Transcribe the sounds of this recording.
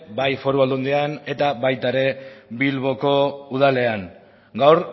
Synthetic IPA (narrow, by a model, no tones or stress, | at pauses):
bajfo̞ɾuald̪und̪eane̞t̪aβajt̪aɾe̞βilβ̞o̞ko̞uð̞ale̞aŋ | ɡawɾ